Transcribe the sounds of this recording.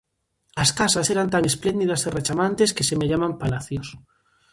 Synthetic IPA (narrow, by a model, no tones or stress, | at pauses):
askasaseɾant̪aŋesplend̪iðaseret͡ʃamãnt̪eskesemeʎamãmpalaθjos